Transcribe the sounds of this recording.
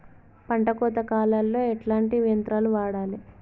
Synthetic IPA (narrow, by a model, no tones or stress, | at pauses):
pɐɳʈɐkɔːt̪ɐkaːlɐlːo̞ːɛʈlaːɳʈiʋijɐnt̪ɾaːluʋaːɽaːli